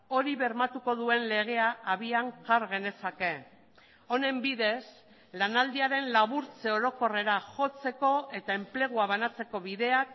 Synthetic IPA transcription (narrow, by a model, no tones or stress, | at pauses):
o̞ɾiβe̞ɾmat̪uko̞ðue̞nle̞ɣ̞e̞aːβiaŋkaɾɣe̞ne̞sake̞ | o̞ne̞mbiðe̞s | lanald̪iaɾe̞nlaβuɾt͡se̞o̞ɾo̞ko̞re̞ɾaxo̞t͡se̞ko̞e̞t̪ae̞mple̞ɣ̞uaβanat͡se̞ko̞βiðe̞ak̚